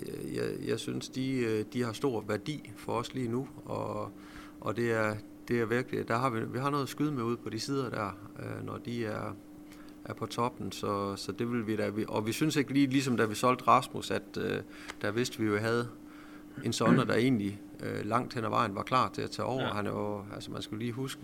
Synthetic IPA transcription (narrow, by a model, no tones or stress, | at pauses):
jɑ̰ɪjɑ̰ɪsynsd̥id̥ihɑ̈sd̥o̝ɐ̰ʋæɐd̥ḭːfɒ̽ɒ̽sliːnu | ɒ̽ | ʔɒ̽d̥e̝æɐ | d̥e̝æɐʋiɐɡ̥l̥id̥æɦɑ̈ʋiʋiɦɑ̈no̽ːðˠsɡ̥yð̞ˠmeuð̰ˠpʰɒ̽d̥isið̞ˠɐd̥æ̰ɐ̰ | ønɒd̥iæɐ | ʔæɐpʰɒ̽t͡sʰɒ̽b̥n̩sɒ̽sɒ̽d̥e̝ʋe̝lʋiɾ̥æʋiʔɒ̽ʋisynse̝ɡ̥liːlis̬ɒ̽md̥æʋisɒ̽l̰d̥ʁɑ̈smusæd̥ø̥ː | æʋe̝sd̥əʋijo̝ɦæð̞̩ˠ | e̝nsɒ̽nd̥ɐd̥ɑe̝̰ːnli | ølɑ̈ŋ̰d̥henæʋʔɑ̈ɪ̰n̩ʋɑ̈kʰlɑ̰̈ːt͡sʰe̝æt͡sʰɛ̰ːʔɒʊ̰ɐɦænæjoælsəmænsɡ̥æliːɦusɡ̥ə